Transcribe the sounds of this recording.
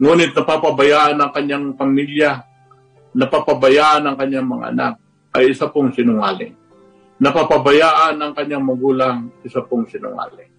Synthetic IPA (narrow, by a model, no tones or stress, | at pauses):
ŋuːnɪt̪̚nɐpapɐbɐjaːʔɐnɐŋkɐɲːaŋpɐmilja | nɐpapɐbɐjaːʔɐnɐŋkɐɲːaŋmɐŋa̰ʔɐ̰nak̚ | ʔɐjɪsapoŋsɪnʊŋaːlɪŋ | nɐpapɐbɐjaːʔɐnɐŋkɐɲːaŋmɐɡuːlaŋʔɪsapoŋsɪnʊ̰ŋa̰ːlɪ